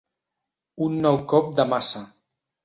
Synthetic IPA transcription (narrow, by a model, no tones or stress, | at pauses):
unːɔwkɔp̚d̪əmasa